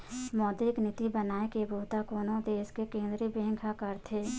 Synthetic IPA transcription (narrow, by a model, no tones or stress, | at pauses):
mɔːd̪ɾɪknɪt̪ibənaːekebʱoːt̪akoːnõd̪eːskekẽːnd̪ɾibẽːŋkʰakəɾt̪ʰeː